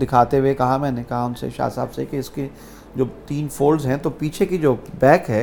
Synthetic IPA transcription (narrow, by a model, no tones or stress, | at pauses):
d̪ɪkʰaːt̪ewekɐɦamɛ̃ːnekɐɦaʊnsḛʃa̰ːsa̰ːbsekeɪske | d͡ʒoːt̪iːnfoːlzɦɛ̃t̪opiːt͡ʃʰekid͡ʒoːbɛːkɦɛː